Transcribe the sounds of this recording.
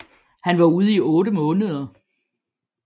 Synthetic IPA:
hænʋɑ̈uð̞ˠiɔːɾəmɔ̽ːnəð̞ˠɐ

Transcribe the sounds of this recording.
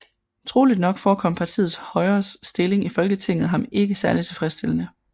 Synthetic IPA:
t͡sʰʁo̝ːlid̥nɒ̽ɡ̥fɒːkʰɒ̽m̰pʰɑ̈t͡sʰḭːð̩ˠshɒ̽ɪɐːssd̥e̝le̝ŋifɒ̽lɡ̥ət͡sʰeŋ̰ð̩ˠɦɑ̈me̝ɡ̥əsæɐlit͡sʰe̝lfʁɛsd̥e̝l̰ənə

